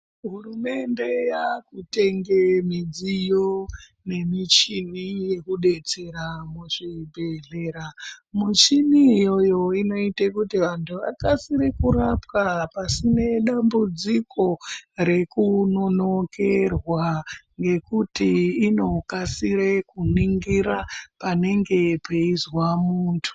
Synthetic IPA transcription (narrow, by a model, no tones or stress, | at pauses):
ɦurume̞nde̞jakute̞ŋɡemid͡zijo | ne̞mit͡ʃinije̞kuɗe̞t͡se̞ɾamuʐibʱe̞ɮeːɾamut͡ʃinijo̞jo̞ino̞itekutiʋantʰuʋa̰kasiɾekuɾapkapasine̞ɗambud͡zikʰo̞ɾe̞kuno̞no̞kʰe̞rwaŋɡe̞kutiːno̞kasiɾekuniŋɡiɾapane̞ŋɡe̞pʰeizwamuːntʰu̥